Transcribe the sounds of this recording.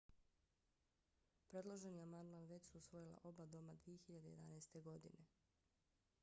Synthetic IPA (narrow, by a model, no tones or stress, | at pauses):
pɾe̞d̪lˠo̞ʒe̞niamand̪maːnʋe̞t͡ɕsuusʋo̞jilˠa̰ʔo̞bad̪o̞mad̪ʋijexiʎad̪eje̞d̪anaːst̪e̞ɡo̞d̪ḭne̞